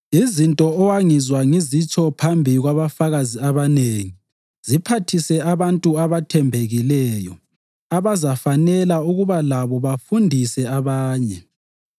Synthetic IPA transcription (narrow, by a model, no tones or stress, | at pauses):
izintʼɔɔwaŋizwaŋizit͡ʃʼɔpʰambʱiɣwaβafaɣaziaβaneŋi | z̥ipʰatʰisɛaβantʼuaβatʰɛmbʱeɣilɛːjɔ̰ | aβazafanɛlauɣuβalaβɔβafundʱisɛaβaːɲɛ